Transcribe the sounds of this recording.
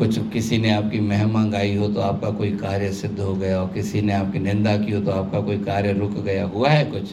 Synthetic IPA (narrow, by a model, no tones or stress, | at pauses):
kʊt͡ʃʰkɪsineaːp̚kimɛɦmãːŋɡaːiɦot̪oaːp̚kakoːikaːɾjəsɪd̪ʱːɦoɡɐjaɔːɾkɪsineaːp̚kinɪ̃nd̪akiɦot̪oaːp̚kakoːikaːɾjəɾʊkʰɡɐjaɦuaɦɛkʊt͡ʃʰ